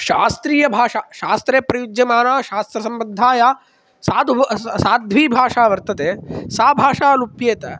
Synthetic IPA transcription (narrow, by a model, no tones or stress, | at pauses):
ʃaːst̪ɾiːjɐbʱaːʂaʃaːst̪ɾeːpɾɐjud͡ʒjɐmaːnaːʃaːst̪ɾɐsɐmbɐd̪ʱːaːjaː | saːd̪saːd̪ʱʋiːbʱaːʂaːʋɐɾt̪ɐt̪eːsaːbʱaːʂaːlupjeːt̪ɐ